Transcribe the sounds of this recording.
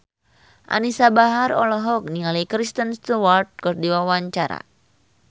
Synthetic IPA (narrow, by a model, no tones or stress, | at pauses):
ʔa̰nisabaɦaɾɔ̰lɔɦɔk̚niŋalikɾist̪ənst̪uwart̪̚kɨrdiwawaɲt͡ʃaɾa̰